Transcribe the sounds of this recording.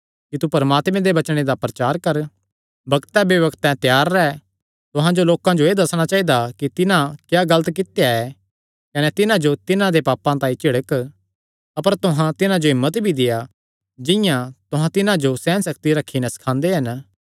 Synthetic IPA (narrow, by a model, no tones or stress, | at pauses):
kit̪upɐɾmaːt̪mẽd̪ebɐt͡ʃɽ̃ed̪apɾɐt͡ʃaːɾkɐɾ | bɐɡt̪ɛ̃beʋɐɡt̪ɛ̃t̪jaːɾːɛ | t̪ʊɦãd͡ʒoloːkãd͡ʒoeːd̪ɐsɽ̃at͡ʃaːid̪akit̪ɪnãkjaːɡɐlət̪k̬ɪt̪ejaɛ | kɐnɛt̪ɪnãd͡ʒot̪ɪnãd̪epaːpãt̪ãːĩt͡ʃɪɽək | ɐpəɾt̪ʊɦãt̪ɪnãd͡ʒoɦɪmːət̪bʱid̪ɪja | d͡ʒɪ̃jãt̪ʊɦãt̪ɪnãd͡ʒosɛ̃ːnsɐkt̪iɾɐkʰːinɛsɐ̥kʰãːnd̪eɦɐn